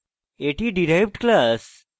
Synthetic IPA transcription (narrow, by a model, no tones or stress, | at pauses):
eʈiɖiɾajʋɖklas